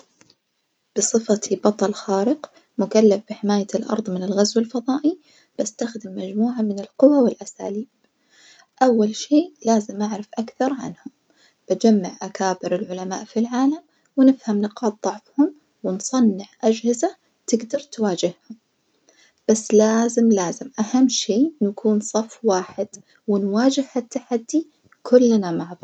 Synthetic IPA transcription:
b̥ɨsˤɨfat̪bɑt̪ˤɑlxaːɾɪq | mʊkalːafb̥ɪħɪmaːjalʔɑ̰ɾˤðˤmɪnɪlɣazwɪlfɑðˤɑːʔi | b̥ast̪axd̪ɪmːad͡ʒmuːʕamɪnɪlqʊwawɪlʔasa̰ːliːb̚ | ʔawːalʃeːʔlaːzɪmʔɪʕɾɪfʔakθɑɾˤʕa̰nhʊm | b̥ad͡ʒamːaʕʔakaːbɪɾɪlʕʊlama̰ːʔfilʕaːlam | wɪnɪfhamnɪqɑːt̪̚ðˤɑʕfhʊm | wɪnsˤɑnːɪʕʔad͡ʒhɪza | t̪ɪɡd̪ɑɾˤt̪waːd͡ʒɪhhʊm | b̥asːlaːzɪmlaːzɪmʔahamːʃeːnakʰuːnsˤɑfːwaːħɪd̪̥ | wɪnwaːd͡ʒɪhhat̪ːaħad̪ːi | kʰʊlːnamaʕðˤɑ

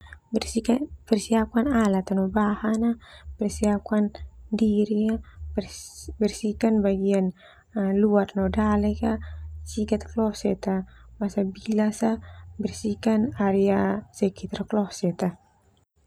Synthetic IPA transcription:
pɛrsiakanalat̪anɔbahanapɛrsiakandiɾia | bɛrsikanbaɡian | luarnɔdalɛkasikat̪̚klɔsɛt̪amasabilasabɛrsikanaɾɛasɛkit̪aɾaklɔsɛt̪a

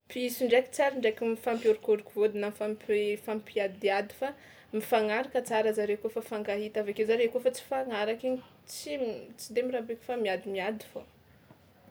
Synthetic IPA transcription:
piisiɳɖ͡ʐeki̥t͡saɾiɳɖ͡ʐekimifampjoɾikuɾukuvod̪inafampfampiad̪iad̪i̥fa | mifaŋaɾakət͡saɾazaɾekofafaŋɡaɦit̪avakezaɾekofat͡si̥faŋaɾakiɲ | t͡sit͡sid̪emirabeku̥famiad̪imiad̪i̥fo

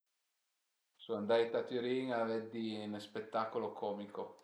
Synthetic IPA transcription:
suand̪ajt̪at̪yɾiŋaved̪ːinspet̪ːakolokʰɔːmiko

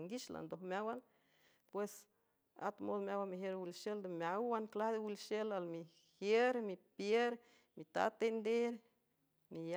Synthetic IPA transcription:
ŋɡiʃla̰nd̪ohmjawan | pwes | a̰t̪mod̪mjawamiɦjeɾwilʃeld̪emjawwanklahd̪ewilʃelalmi | hjeɾmipjeɾ | mit̪a̰t̪end̪eɾ | nija

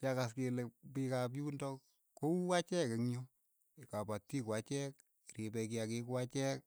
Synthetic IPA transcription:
kakaskelepikap̬juːndɔk | kouwat͡ʃɛkeŋjo | kapatːikwat͡ʃɛk | ɾipɛk̬iakikwat͡ʃɛk̚

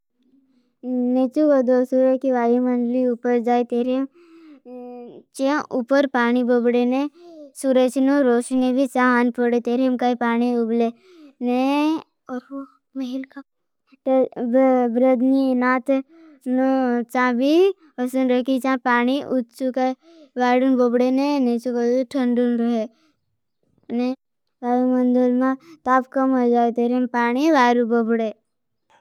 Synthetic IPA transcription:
net͡ʃuʋəd̪osuɾəkiʋaːjimɐnɖliupəɾd͡ʒaːit̪eːɾem | t͡ʃẽʔupəɾpaːnibobɽenesuːɾət͡ʃnoɾoːʃnebʱisãɦaːnpəɽet̪eːɾemkaipaːniʊble | ne | mɐɦilk | ʈ | bɾəd̪ninaːt̪ | nut͡ʃãbi | əsɐnɾəkit͡ʃãpaːniʔutt͡ʃuka | ʋaːɾunbobɽenenet͡ʃukəuʈʰɐɳɖunɾuɦe | ne | ʋaːɾumɐnd̪olmãt̪apkɐmɦod͡ʒaːet̪eːɾempaːniʋaːɾubobɽe

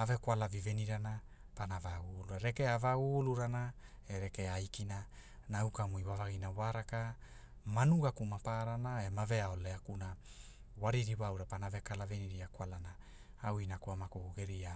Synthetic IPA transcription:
ave̞kwʷalaviveniɾana | panavaɡuluaɾe̞keavaɡuluɾana | eɾekeajkina | nawkamujwavaɡinawaɾaka | manuɡakumapaɾanae̞mave̞aoleakuna | waɾiɾiβawɾapanaave̞kalaveniɾiakwalana | awinakuamakuɡuɡe̞ɾia

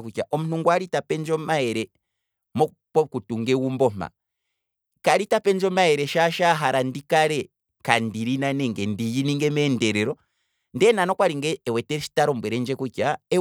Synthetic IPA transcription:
kucaʔɔmunuŋɡwaɾitapɛnd͡ʒɔmaɛɾɛ | mɔ | pɔkutuŋɡɛwumbɔma̰ | kaɾitapɛnd͡ʒɔmaɛɾɛʃaʃaɦaɾandikaɾɛ | kandiɾinanɛŋɡɛndijiniŋɡɛmɛndɛɾɛɾɔ | ndɛnanɔkwaɾiŋɡɛːwɛtɛʃi̥taɾɔmbwɛɾɛnd͡ʒɛkucaɛ

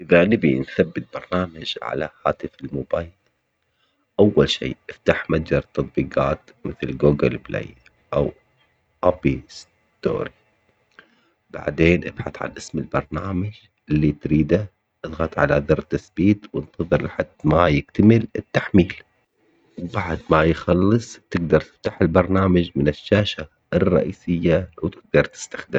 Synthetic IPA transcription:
ʔɪðanɪbinθabːɪt̪̚bɑɾˤnaːmad͡ʒʕa̰la̰haːt̪ɪfɪlmʊbaːjl | ʔawːalʃḭːʔɪft̪aħmad͡ʒɑɾˤt̪ːɑt̪̚ˤbiːqɑːt̪mɪθlɡuːɡɪlblḛj | ʔaw | ʔapis | t̪o̰ːɾi | b̥a̰ʕd̪eːnʔab̥ħa̰θʕa̰lʔɪsmɪlbɑɾˤnaːmad͡ʒ | ɪlːit̪ɾiːd̪a | ʔɪðɣɑt̪ʕa̰laðɑɾˤt̪asbiːt̪wɪnt̪ɑðˤɨɾlħad̪̥majɪk̚t̪amɪlɪ̰t̪ːaħmiːl | wbaʕd̪majxɑlːɨsˤt̪ɪɡd̪ɑɾˤt̪ɪ̥ft̪aħɪlbɑɾˤnaːmad͡ʒmɪnɪʃːaːʃa | ʔɪrˤːɑ̰ʔiːsɪjːawt̪ɪɡ̚d̪ɑɾˤt̪ɪ̥st̪ḁxd̪ɪm

